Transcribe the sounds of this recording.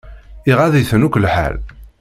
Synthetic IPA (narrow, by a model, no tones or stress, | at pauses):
ɪʁæðiθənukʷːlħa̰l